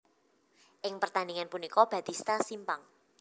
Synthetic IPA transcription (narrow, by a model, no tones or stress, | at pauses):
ʔɪŋpərt̪aniŋanpunikɔb̥ä̤t̪ist̪asimpaŋ